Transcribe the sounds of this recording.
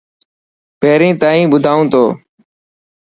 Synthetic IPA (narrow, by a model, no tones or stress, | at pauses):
peːɾĩːt̪aːĩːbʊd̪ʱaːũːt̪ʰoː